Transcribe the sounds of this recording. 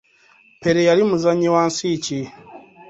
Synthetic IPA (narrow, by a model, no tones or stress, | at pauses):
pɛɾɛjalimuzaɲiwansit͡ʃi